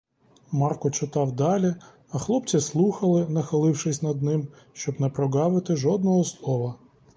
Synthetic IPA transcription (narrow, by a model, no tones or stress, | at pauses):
mɑrkɔt͡ʃɪt̪ɑwd̪ɑlʲi | ɐxlˠɔp̚t͡sʲislˠuxɐlˠɪnɐxɐlˠɪwʃɪsʲnɐd̪nɪm | ʃt͡ʃɔbnɛpɾɔɡɑʋɪt̪ɪʒɔd̪nɔɦɔslˠɔʋɐ